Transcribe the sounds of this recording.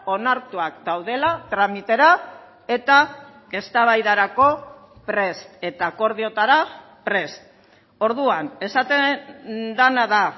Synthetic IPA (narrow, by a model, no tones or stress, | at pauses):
o̞naɾt̪uak̚d̪awð̞e̞lat̪ɾamit̪e̞ɾa | e̞t̪a | ke̞st̪aβajðaɾako̞pɾe̞st̪e̞t̪ako̞ɾð̞io̞t̪aɾa | pɾe̞st̪ | o̞ɾðuane̞sat̪e | d̪anaða